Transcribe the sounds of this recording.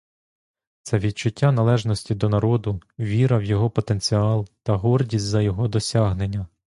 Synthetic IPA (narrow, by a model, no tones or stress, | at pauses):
t̪sɛʋʲid̪̚t͡ʃʊtʲːanɐlˠɛʒnɔsʲtʲid̪ɔnɐɾɔd̪ʊʋʲiɾɐwjɔɦɔpɔt̪e̞nʲt͡sʲiɑlˠt̪ɐɦɔrdʲisʲtʲzɐjɔɦɔd̪ɔsʲaɦne̞nʲːɐ